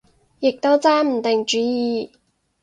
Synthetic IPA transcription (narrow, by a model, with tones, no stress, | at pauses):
jɪ˨k̚t̪o˥wt͡sɛː˥m̩˨˩t̪ɪ˨ŋt͡ʃyː˨˥jiː˨˧